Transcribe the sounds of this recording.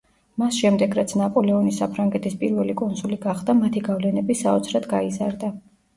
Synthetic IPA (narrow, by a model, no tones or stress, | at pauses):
masʃɛmd̪ɛɡɾat̪sʰnapʼɔlɛɔnisapʰɾaŋɡɛt̪ʰispʼiɾvɛlikʼunsuliɡaχd̪amat̪ʰiɡavlɛnɛbisaɔt̪sʰɾad̪ɡaizaɾd̪a